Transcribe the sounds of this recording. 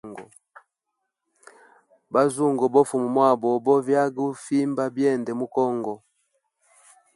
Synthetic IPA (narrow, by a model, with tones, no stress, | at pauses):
ŋɡɔ˨ | ba˦zu˦ŋɡɔ˨bɔ˦fu˨mu˨mwa˦˨bɔ˨bɔ˦vja˦ɡu˦fi˦mba˦bjɛ˦˨ndɛ˨mu˦kɔ˦ŋɡɔ˨